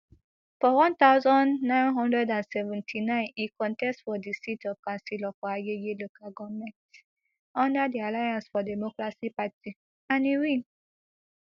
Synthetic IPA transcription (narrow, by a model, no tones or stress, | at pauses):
fɔwɔ̃nt̪aʊzɔ̃nːãɪ̃nɦɔ̃ndɹɛdãnsɛvɛ̃ntʰinãɪ̃nikɔ̃ntɛstfɔdisitɔvkãnsilɔfɔajejelokaɡɔmɛ̃nt | ɔ̃ndədialajãnsfɔdɛmokɹasipati | ãniɹĩŋ